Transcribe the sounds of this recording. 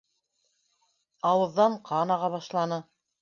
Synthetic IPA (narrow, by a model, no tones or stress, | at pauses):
ɑwɤ̆ðːɑɴqʰɑnɑʁɑβɑʃlˠɑnɤ